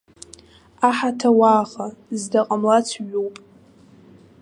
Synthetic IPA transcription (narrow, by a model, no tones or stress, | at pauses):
aħatʰawaːχazdaqʼamlat͡sʰɥowpʼ